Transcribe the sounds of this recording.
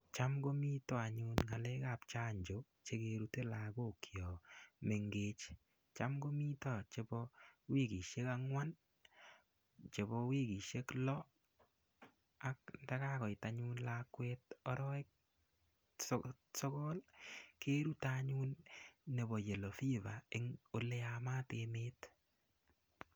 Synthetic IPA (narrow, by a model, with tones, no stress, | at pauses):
t͡ʃa˦mɡo˦mi˦tɔ˦a˨ɲu˦nŋa˨le˦ka˨p̚t͡ʃa˦ɲd͡ʒo˨˦ | t͡ʃe˦keɾu˦te˦la˨ɡo˦˨kʰjɔ˨me˨ŋɡet͡ʃ | t͡ʃa˦mɡo˦mi˦tɔ˦t͡ʃe˦bɔ˦wi˦ɡi˨ʃe˦ka˦ŋwa˦n | t͡ʃe˨bɔ˧wi˦ɡi˨ʃe˦klɔ˦ | a˦k̚nda˦ka˦kɔ˨jta˦ɲu˦nlakwetɔ˦ɾɔ˦ɪ˦k̚ | sɔ˦kɔ˦lke˦ɾu˦taɲu˦nːe˨bɔ˨je˨lɔ˨fi˦ba˨ɪ˦ŋo˦le˦ama˦teme˦t